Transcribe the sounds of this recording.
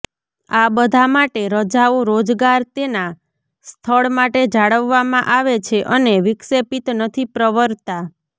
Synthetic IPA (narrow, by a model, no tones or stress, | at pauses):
abəd̪ʱamaʈeɾəd͡ʒaõɾod͡ʒɡaɾt̪ena | st̪ʰəɭmaʈed͡ʒaɽəʋːamãʔaʋet͡ʃʰeʔəneʋɪksepit̪nət̪ʰipɾəʋəɾt̪a